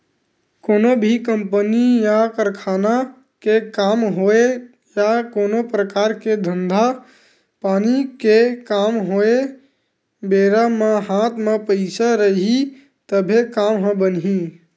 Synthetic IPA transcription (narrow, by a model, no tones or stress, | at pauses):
koːnobʱikəmpənijakəɾkʰaːna | kekamɦoe | jakoːnopɾəkaːɾked̪ʱənd̪ʱa | paːnikekamɦoe | beːɾameɦãt̪mepəɪsaɾəɦi | t̪əbʱekamɦə̃bənɦi